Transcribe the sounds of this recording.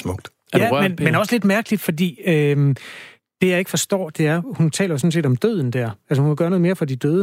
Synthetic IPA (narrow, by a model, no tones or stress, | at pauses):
mɔɡ̥̚d̥ | jæmenmenɒ̽sle̝d̥mæɐɡ̥əlid̥fɒ̽d̥ḭːø | d̥e̝jɑ̈ɪe̝ɡ̥əfɒ̽sd̥ɒ̰ːd̥e̝æɐhunt͡sʰɛ̰ːlɐjo̝sɔ̽n̩se̝̰ːd̥ɒ̽md̥øð̞̰ˠn̩d̥æɐ̰ælsəhunkʰæɡ̥ɶɐnɔðˠmeːɐfɒ̽d̥id̥øːðˠə